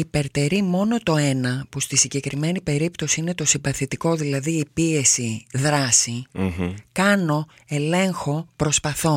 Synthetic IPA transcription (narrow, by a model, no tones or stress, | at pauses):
ipe̞ɾt̪e̞ɾimo̞no̞t̪o̞e̞nɐpust̪isiɲɟe̞kɾime̞nipe̞ɾipt̪o̞siine̞t̪o̞sibɐθit̪iko̞ðilɐðiːpie̞siðɾɐsi | kɐno̞ | e̞le̞ŋxo̞pɾo̞spɐθo̞